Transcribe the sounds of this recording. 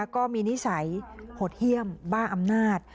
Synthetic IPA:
kɔː˥˩miː˧ni˦˥sa˩˦jpʰoː˨˩t̪̚hi˥˩əmbaː˥˩nʔa˧mnaː˥˩t̪̚

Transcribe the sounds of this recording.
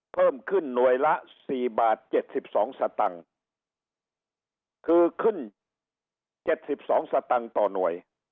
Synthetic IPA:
pʰɤː˥˩mkʰɯ˧˥˩nːu˨˩əjla˦˥ʔsiː˨˩baː˨˩t̪̚t͡ɕe˨˩t̪̚si˨˩p̚sɔː˩˦ŋsa˧t̪a˧ŋ | kʰɯː˧kʰɯ˥˩n | t͡ɕe˨˩t̪̚si˨˩p̚sɔː˩˦ŋsa˧t̪a˧ŋt̪ɔː˨˩nu˨˩əj

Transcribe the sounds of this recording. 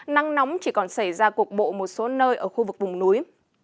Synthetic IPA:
na˧ŋnɔ˨˦wŋ͡mt͡ɕi˧˩kɔ˨˩nsa˧˩jzaː˧ku˨˩ək̚ɓo̰˧˨mo˨˩t̚so˨˦nəː˧jʔəː˧˩xu˧vɨ˨˩k̚vʊ˨˩ŋ͡mnu˨˦j

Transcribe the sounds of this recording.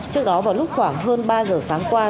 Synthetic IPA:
t͡ɕɨ˦˥ək̚ɗɔ˨˦vaː˨˩wlʊ˦˥k͡p̚xwaː˧˩ŋɦəː˧nɓaː˧zəː˨˩saː˨˦ŋkwaː˧

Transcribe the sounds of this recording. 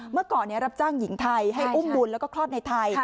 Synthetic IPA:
mɯ˥˩ɐkɔː˨˩nːi˥˩ɐɾa˦˥p̚t͡ɕaː˥˩ŋji˩˦ŋt̪ʰa˧jɦa˥˩jʔu˥˩mbu˧nlɛː˦˥wkɔː˥˩kʰlɔː˥˩t̪̚na˧jt̪ʰa˧j

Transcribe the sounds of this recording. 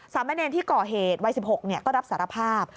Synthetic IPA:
saː˩˦ma˧˥neː˧nt̪ʰiː˥˩kɔː˨˩ɦeː˨˩t̪̚wa˧jsi˨˩p̚ho˨˩k̚ni˥˩ɐkɔː˥˩ɾa˦˥p̚saː˩˦ɾa˧pʰaː˥˩p̚

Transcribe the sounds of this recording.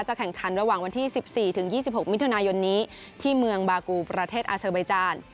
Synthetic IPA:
t͡ɕa˨˩kʰɛ˨˩˦ŋkʰa˩˦nɾa˧waː˨˩ŋwa˧nt̪ʰiː˥˩si˨˩p̚siː˨˩t̪ʰɯ˩˦ŋjiː˥˩si˨˩p̚ho˨˩k̚mi˦˥t̪ʰu˧naː˧jo˧nːiː˦˥t̪ʰiː˥˩mɯ˧əŋbaː˧kuː˧pɾa˧t̪ʰeː˥˩t̪̚ʔaː˧saː˧ba˧jt͡ɕaː˧n

